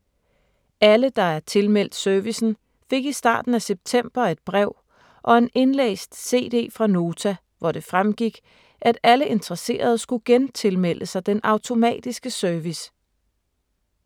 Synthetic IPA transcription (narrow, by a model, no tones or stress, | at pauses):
æləd̥ɑ̈æɐt͡sʰe̝lmel̰d̥sœɐʋisn̩ | fe̝ɡ̥isd̥ɑ̰̈ːd̥n̩æseb̥̚t͡sʰem̰b̥ɐe̝d̥̚b̥ʁɛʊ̰ | ʔɒ̽e̝ne̝nlḛːsd̥se̝̰ːd̥e̝̰ːfʁɑ̈no̝ːt͡sʰæ | ʋɒɾ̥e̝fʁamɡ̥iɡ̥ | ʔæd̥æləe̝nd̥ʁəse̝̰ːɐð̞ˠsɡ̥uɡ̥ent͡sʰe̝lmel̰əsɑ̈ɪd̥enʔɑ̈ʊt͡sʰo̝mɛ̰ːd̥isɡ̥əsœɐʋis